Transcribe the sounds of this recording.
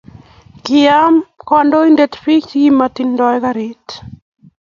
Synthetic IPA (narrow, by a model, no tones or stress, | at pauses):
kɪamkɔndoindetpit͡ʃɡimatindɔjɛkaɾit